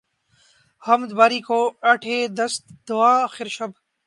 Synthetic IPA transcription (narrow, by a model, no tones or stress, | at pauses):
həmd̪baːɾiːkoːɐʈʰeːd̪əst̪d̪ʊaːxɪɾʃɐbʱ